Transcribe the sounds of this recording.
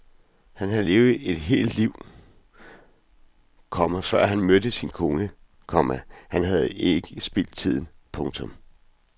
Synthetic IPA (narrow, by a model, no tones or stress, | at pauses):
hænɦæle̝ːʊð̩ˠe̝d̥ɦe̝̰ːld̥liʊ̰ | kʰɒ̽mæfɶɐ̰ɦænmød̥əsinkʰɔŋə | kʰɒ̽mæhænɦæð̞̩ˠe̝ɡ̥əsb̥ḛl̰d̥̚t͡sʰið̞̰ˠn̩pʰɔ̽ŋt͡sʰɔ̽m